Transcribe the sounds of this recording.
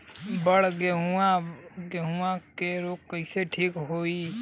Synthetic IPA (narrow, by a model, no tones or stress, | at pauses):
bəɽɡeɦuaɡeɦuakeɾoːk̚kəɪseʈʰiːkɦoːi